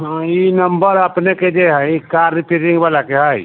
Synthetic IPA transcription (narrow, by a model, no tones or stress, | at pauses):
ɦãinɐmbəɾəpneked͡ʒeɦakaːɾːɪpiɾɪ̃ŋɡʋaːlakeɦaj